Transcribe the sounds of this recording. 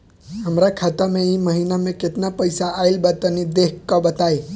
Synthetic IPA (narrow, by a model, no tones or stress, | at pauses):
əmɾakʰat̪amẽiməɦinamẽket̪napəjsaːilbat̪ənid̪ekɔbət̪ae